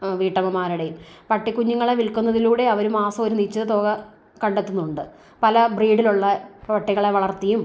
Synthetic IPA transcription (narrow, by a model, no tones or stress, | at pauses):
ʋiːʈːɐmɐmaːɾiɽejumpɐʈːikːuɲːuŋːɐɭeʋilkunːɐðiluːɽe̞ɐʋɐɾumaːsɐoɾunit͡ɕːɐðɨt̪o̞ːɣɐ | kɐɳɖet̪ːunːuuɳɖɨ | pɐlɐbriːɖiluɭːɐprɐʋɐʈːiɣːɐɭe̞ʋɐɭɐrt̪ːijum